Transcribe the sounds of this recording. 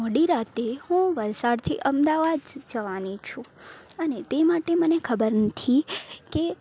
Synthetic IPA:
ɔɽiɾat̪ehũʋəlsaɽt̪ʰḭʔəmd̪aʋad̪d͡ʒəʋanit͡ʃʰũənet̪emaʈemənekʰəbəɾnət̪ʰike

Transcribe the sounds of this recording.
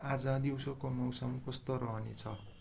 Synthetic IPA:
ad͡zʌd̪iwsokomʌwsʌmkʌst̪oɾʌɦnet͡sʰʌ

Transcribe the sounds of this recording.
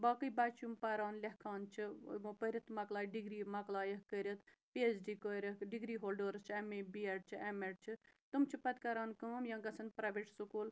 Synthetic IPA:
baːkɨjbaːt͡ʃumpɐɾaːnlʲɐhkʰaːnt͡ʃʰimpəɾʲɐt̪ʰmɐklaːjɖiɡɾiːmɐklaːjɐɦkəɾʲɐt̪ʰpiesɖiːkoɾʲɐɖiɡɾiːɦoːlɖəːɾɨst͡ʃʰɐmebieʈ̚t͡ʃʰiɐmeʈ̚t͡ʃʰit̪umt͡ʃʰipɐt̪kɐɾaːnkɨmɐmjɐ̃ŋɡɐsɐnpɾaːʋeʈsukoːl

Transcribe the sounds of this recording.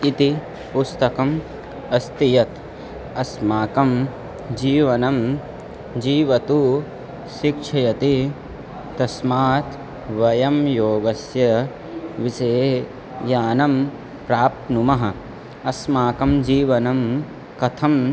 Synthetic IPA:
it̪i | pust̪ɐkɐm | ɐst̪ijɐt̪ | ɐsmaːkɐm | d͡ʒiːʋɐnɐm | d͡ʒiːʋɐt̪u | ʃikʂʰɐjɐt̪i | t̪ɐsmaːt̪ | ʋɐjɐmjoːɡɐsjɐ | ʋisɐe | jaːnɐm | pɾaːp̚t̪numɐɦɐ | ɐsmaːkɐmd͡ʒiːʋɐnɐm | kɐt̪ʰɐm

